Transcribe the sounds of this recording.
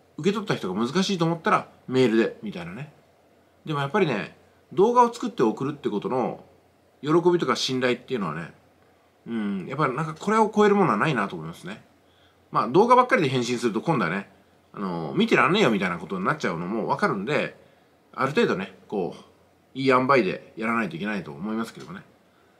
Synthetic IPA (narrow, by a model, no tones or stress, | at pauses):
ɯ̟ke̞t̪o̞t̪ːaçi̥t̪oɡamɯzɨkaɕiːt̪oːmo̞t̪ːaɾa | me̞ːɾɯ̟d̪e̞mʲit̪ainane̞ | d̪e̞mo̞japːaɾʲine̞̰ | d̪o̞ːɡao̞t͡sɨ̥kɯ̟t̪ːe̞o̞kɯ̟ɾɯ̟t̪ːeiɯ̟ko̞t̪o̞no̞̰ | jo̞ɾo̞ko̞bʲit̪o̞kaɕĩnd̪ait̪ːe̞iɯ̟no̞a̰ne̞̰ | ɯ̟̃ɴja̰pːaɾʲinãŋkakʰo̞ɾe̞o̞ko̞e̞ɾɯ̟mo̞noanainat̪oːmoimasɨne̞ | maːd̪o̞ːɡabakːaɾʲid̪e̞ɦẽɰ̃ɕĩɰ̃sɨɾɯt̪o̞kõ̞nd̪ane̞ | a̰no̞̰mʲit̪e̞ɾãne̞ːjo̞mʲit̪ainako̞t̪o̞ɲ̟nat̚ːt͡ɕaɯ̟no̞mo̞βakaɾɯ̟̃nd̪e̞ | a̰ɾɯ̟t̪e̞ːd̪o̞ne̞koː | iːãmbaid̪e̞̰jaɾanait̪o̞ikʲe̞nait̪o̞̰ːmo̞imasɨ̥ke̞mone̞